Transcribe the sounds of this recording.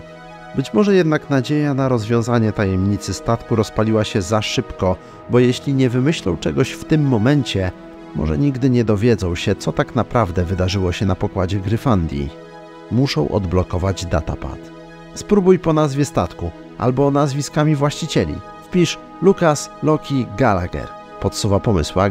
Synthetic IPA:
bɘt͡ɕmɔʐɛjɛd̪naknad͡ʑejanaɾɔzvʲjɔ̃w̃zaɲɛt̪ajɛmɲit̪sɘst̪at̪kuɾɔspalʲiwaɕɛzaʂɘpkɔ | bɔjɛɕlʲiɲɛvɘmɘɕlɔ̰̃w̃t͡ʂɛɡɔɕft̪ɘmːɔmɛɲt͡ɕɛ | mɔ̰ʐɛ̰ɲiɡd̪ɘɲɛd̪ɔvʲjɛd̪zɔ̃w̃ɕɛt̪sɔt̪aknapɾavd̪ɛvɘd̪aʐɘwɔɕɛnapɔkwad͡ʑɛɡɾɘfand̪ʲjḭ | muʂɔ̰̃w̃ʔɔ̰d̪blɔkɔvad͡ʑd̪a̰t̪a̰pa̰t̪ | spɾubujpɔnazvʲɛst̪at̪ku | ʔa̰lbɔnazvʲiskamʲivwaɕt͡ɕit͡ɕɛlʲḭ | fpʲiʂ | lukaslɔkʲiɡalaɡɛ̰ɾ | pɔt̪suvapɔmɘswa

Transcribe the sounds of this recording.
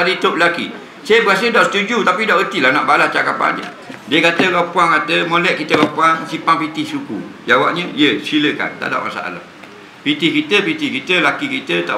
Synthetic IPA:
adit̪oʔlakḭ | sajəbəkas̬ədaʔsə̥t̪ud͡ʒut̪apidaʔɣət̪ilanaʔbalaht͡ʃakapa̰ndə̰ | diəkat̪əɣapuaŋkat̪əmolɛʔkit̪əwapuaŋsipaŋpit̪ɪhsukud͡ʒawaʔɲəjəsiləka̰nt̪a̰ʔda̰ʔma̰sa̰ʔa̰la̰ | pit̪ɪhkit̪əpit̪ihkit̪əlakikit̪ət̪a̰

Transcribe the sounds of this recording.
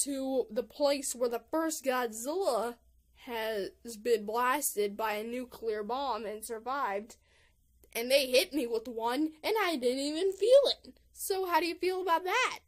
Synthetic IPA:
tʰɨðəpʰl̥eɪswə˞ðəfɜ˞stɡ̥ɑdzɪlˠə | ɨzbɨ̃nblæstɨd̚baɪɨnʉkʰliə˞bɑ̃mɨ̃nsə˞vaɪvd | ʔɨ̃nðeɪɦɪt̚miwəðwʌ̃nɨ̃naɪdɪdⁿn̩tivɨ̃nfilˠɪt̚ | soʊɦaʊɾɨjɨfilˠəbaʊt̪̚ðæt̚

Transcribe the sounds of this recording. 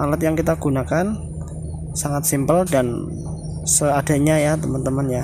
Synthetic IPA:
ʔalat̪jaŋkit̪aɡ̥unakan | saŋat̪̚simpəldan | səad̥a̤ɲajat̪əmənt̪əmənja

